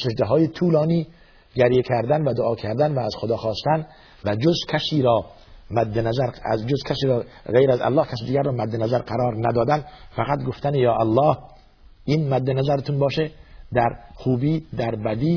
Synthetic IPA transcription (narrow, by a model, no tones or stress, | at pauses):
ʃeʃd̪eɦɒːjet̪ʰuːlɒːniː | ɡæɾjekʰæɾd̪ænvæd̪oʔɒːkʰæɾd̪ænvæːz̥xod̪ɒːxɒːst̪æn | væd͡ʒozkʰæsiːɾɒː | mæd̪ːenæzæɾ̰d͡ʒozkʰæsiːɾɒːɣejɾæzæ̰lːɒːhkʰʲæsiːd̪iːɡʲæɾrːɒːmæd̪ːenæzæɾqæɾɒːɾnæd̪ɒːd̪ænfæɣæt̪ɡoft̪ænejɒːʔælːɒːh | ʔiːnmæd̪ːenæzæɾet̪ʰunbɒːʃed̪æɾxuːbiːd̪æɾbæd̪iː